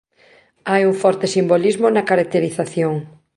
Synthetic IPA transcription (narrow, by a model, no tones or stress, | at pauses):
ajuŋfɔɾt̪ɪsimbolizmonɐkaɾak̚t̪eɾiθaθjoŋ